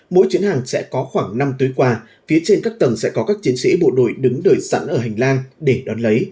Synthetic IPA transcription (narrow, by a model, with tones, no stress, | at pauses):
mo̰˧˥jt͡ɕwi˨˦ənhaː˨˩ŋsɛ̰˧˥kɔ˨˦xwaː˧˩ŋna˧mt̪u˨˦jkwaː˧ | fi˨˦ət͡ɕe˧nkaː˦˥k̚t̪ə˨˩ŋsɛ̰˧˥kɔ˨˦kaː˦˥k̚t͡ɕi˨˦ənsḭ˧˥ɓo̰˧˨ɗo˧˩jɗɨ˨˦ŋɗəː˨˩jsa̰˧˥nʔəː˧˩ɦa˨˩jŋ̟laː˧nɗe˧˩ɗɔ˨˦nlə˨˦j